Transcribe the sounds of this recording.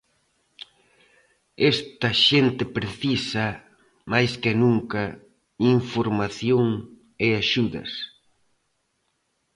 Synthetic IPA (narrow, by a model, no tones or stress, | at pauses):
est̪ɐʃent̪ɪpɾeθisɐ | majskɪnuŋkɐ | iɱfoɾmaθjoŋ | eaʃuðɐ̰s